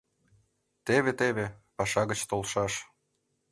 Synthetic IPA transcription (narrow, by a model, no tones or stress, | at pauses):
t̪eβet̪eβepɑʃɑɣət͡ɕt̪olʃɑʃ